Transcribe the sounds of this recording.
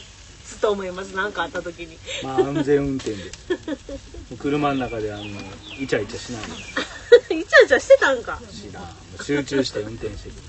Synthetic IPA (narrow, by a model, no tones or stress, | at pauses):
t͡sɨ̥t̪oːmo̞imasɨnãŋkaːt̪ːat̪o̞kʲiɲ̟imaːɯ̃nzẽ̞ɰ̃ɯ̟̃nt̪ẽ̞nd̪e | mokɯ̟ɾɯ̟manonakad̪e̞anoit͡ɕait͡ɕaɕinaino | it͡ɕait͡ɕaɕi̥t̪et̪ãŋkaɕinã | moɕɨːt͡ɕɨːɕi̥t̪eɯ̟̃nt̪ẽ̞ɰ̃ɕi̥t̪ekɯ